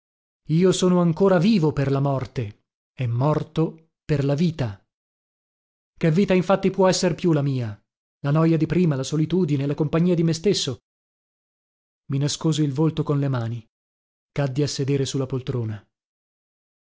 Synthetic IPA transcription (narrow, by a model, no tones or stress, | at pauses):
iːosoːnoaŋkoːɾaviːvoperlamɔrt̪e | ɛmːɔrt̪o | perlaviːt̪a | kevːiːt̪aiɱfat̪ːipwɔɛsːeɾpjulamiːa | lanɔjad̪ipɾiːmalasolit̪uːd̪ineːlakompaɲːiːad̪imest̪esːo | minaskoːzoilvolt̪okonlemaːni | kad̪ːiasːed̪eːɾesulːapolt̪ɾoːna